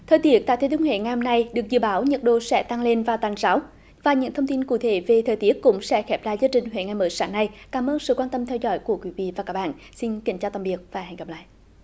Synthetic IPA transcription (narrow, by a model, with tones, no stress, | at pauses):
t̪ʰəː˨˩jt̪i˨˦˥ək̚t̪aː˧˨jt̪ʰe˨˦t̪ʰŋhwḛ˧˩ŋa˨jho˧mna˧jɗɨ˨˩ək̚zɨ̰˧˨əɓaː˨˦wɲə˨˩t̚ɗo̰˧˨sɛ̰˧˥t̪a˧ŋle˧nvaː˨˩t̪aː˨˩nzaː˨˦w | vaː˨˩ɲɨ̰˧˥ŋt̪ʰə˧ŋ͡mt̪i˧nkṵ˧˩t̪ʰe˨˩˦ve˨˩t̪ʰəː˨˩jt̪i˦˥ətkʊ̰˧˥ŋ͡msɛ̰˧˥xɛ˦˥p̚zaː˧˨jzaː˧t͡ɕï˨˩ŋ̟hwḛ˧˩ŋa˨˩jməː˨˦jsaː˨˦ŋna˧jkaː˨˦mʔəː˧nsɨ̰˧˨kwaː˧nt̪ə˧mt̪ʰɛ˧wzɔ̰˧˦jku˧˩əkwi˨˦vḭ˧˨vaː˨˩kaː˦˥ɓa̰ː˧˨nsi˧nkï˨˩˦ŋ̟t͡ɕaː˧wt̪a˧mvi˨˩ək̚vaː˨˩ɦɛ˨˩jŋkə˨˩la̰ː˧˨jʔ